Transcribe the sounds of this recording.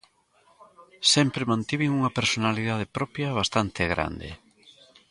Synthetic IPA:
sɛmpɾemãnt̪iβɪŋuŋɐpeɾsonaliðað̞epɾɔpjɐβ̞ast̪ant̪eɣɾa̰nd̪ḛ

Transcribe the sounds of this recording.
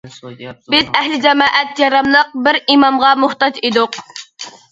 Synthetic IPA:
bɪzɛhlɪd͡ʒɛmɑːʔɛt̪jɑɾɑmlˠəq̚bɪɾimɑmʁɑmʊht̪ɑd͡ʒid̪ʊq

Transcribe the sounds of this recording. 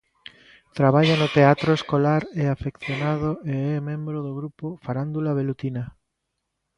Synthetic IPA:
t̪ɾaβaʎanot̪eat̪ɾoeskolaɾeafekθjonaðoeɛmẽmbɾoðoɣɾupofaɾand̪ulaβ̞elut̪ina

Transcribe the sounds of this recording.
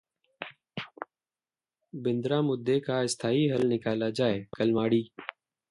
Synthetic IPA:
bɪnd̪ɾaːmʊd̪ːeːkaːɪst̪ʰaːiːɦəlnɪkaːlaːd͡ʒaːeːkəlmaːɽiː

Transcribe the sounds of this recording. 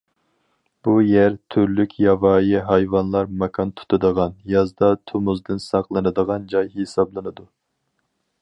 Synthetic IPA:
b̥ujæɾt̪ʰyɾlykʲjɑvɑːjiɦɑjvɑnlˠɑɾmɛkʰɑnt̪ʰu̥t̪ʰɨd̪əʁɑnjɑzd̪ɑt̪ʰomuzd̪ɨnsɑqlˠɨnɨd̪əʁɑnd͡ʒɑjhesɑblˠɨnɨd̪u

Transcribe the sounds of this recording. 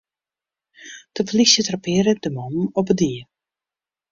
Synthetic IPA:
d̥əvlisjətrapɪəɾədəmɔmɔpədiə

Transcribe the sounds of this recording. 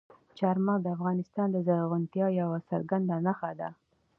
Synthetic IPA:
t͡ʃɑɾmɑd̪əafɣɑnɪst̪ɑnd̪əzaɣʊnt̪jɑjawasa̰ɾɡand̪anaxad̪a̰

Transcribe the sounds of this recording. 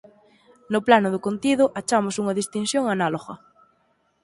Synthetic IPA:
noplanʊðʊkont̪iðʊʔat͡ʃamosuŋɐðist̪insjoŋanaloɣɐ

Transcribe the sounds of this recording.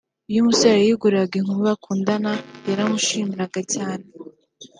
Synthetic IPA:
ujumusaɾajiɡuɾeaɡiŋuɾuβakʰuːndanajaɾamuʃiːmiɾaɡacaːne

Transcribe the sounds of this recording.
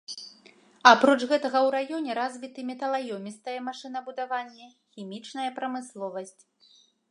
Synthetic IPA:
apɾɔt͡ʂɣɛt̪ɐɣɐwɾajɔnʲɛɾazʲvʲit̪ɨmʲɛt̪ɐlˠajɔmʲist̪ɐjɛmaʂɨn̪ɐbud̪avanʲːɛ | xʲimʲit͡ʂnɐjɐpɾɐmɨslˠɔvɐsʲt͡sʲ

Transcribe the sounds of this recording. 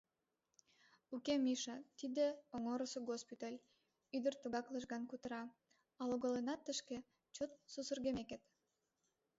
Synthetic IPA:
ukemiʃɑt̪id̪eoŋoɾəsoɡospit̪ɑlʲ | yd̪ərt̪uɣɑklˠəʃɣɑnkut̪əɾɑ | ɑloɣolenɑt̪ːəʃke | t͡ɕot̪̚susərɣemeket̪

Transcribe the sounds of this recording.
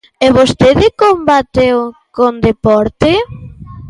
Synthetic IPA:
eβost̪eðɪkombat̪ewkond̪epɔɾt̪ɪ

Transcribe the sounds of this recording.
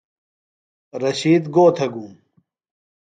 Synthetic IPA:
ɾɐɕiːd̪ɡoːt̪ʰɐɡuːm

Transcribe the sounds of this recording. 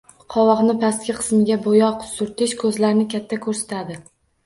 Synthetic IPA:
qʰɒwɒqnɪpʰast̪̚kʲɪqʰɨ̥smɪɡʲabojɒqsʊɾt̪ʰɪʃkʰɵzlaɾnɪkʲʰat̪ʰːakʰɵɾsḁt̪ʰad̪ɪ

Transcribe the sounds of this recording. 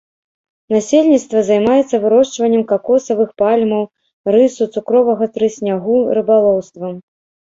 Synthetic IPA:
nasʲelʲnʲit̪st̪vɐzajmajɛt̪sːɐvɨɾɔʂt͡ʂvɐnʲːɛmkakɔsɐvɨxpalʲmɐw | rɨsut̪sukɾɔvɐɣɐt̪ɾɨsʲnʲaɣuɾɨbalˠɔwst̪vɐ

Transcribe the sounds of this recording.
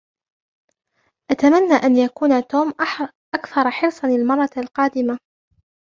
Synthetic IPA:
ʔat̪amanːaːʔanjakuːnat̪oːm | ʔakθɑɾˤħɪɾsˤɑnɪlmɑrˤːɑlqɑːd̪ɪma

